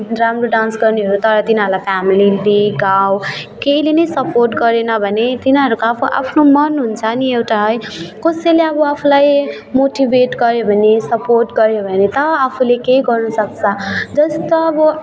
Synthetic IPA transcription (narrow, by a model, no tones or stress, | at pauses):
ɾamroɖansɡʌrneɦʌɾut̪ʌɾʌt̪inʌɾulajpʰamilid̪iɡawkeilenʌjsʌporʈɡʌɾenʌbʱʌnet̪inɦʌɾukoapʰuʔa̰pʰnomʌnɦunt͡sʰʌniewʈaɦʌjkoseleʌbʌapʰulaj | moʈibeʈɡʌɾjebʱʌnesʌporʈɡʌɾjebʱʌnet̪ʌːpʰulekeiɡʌrnʌsʌk̚t͡sʰʌd͡zʌst̪oʌbʌ